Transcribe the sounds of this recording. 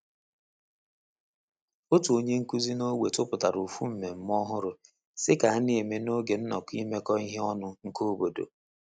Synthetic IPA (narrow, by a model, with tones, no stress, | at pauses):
o˦tu˨o˨ɲe˦ŋ̩˦ku˦zi˦no˦we˨tʊ˦pʊ˨ta˨ɾu˨fu˦m̩˨me˨m̩˦m˦ɔ˦ɦʊ˦ɾʊ˦ | sɪ˦ka˨a˦ne˦e˨me˨no˦ɡe˨n̩˦nɔ̰˨ki˦me˦kɔ˦i˦ɦe˦ɔ˦nʊ˦ŋ̩˦ko˦o˦bo˨do̰˨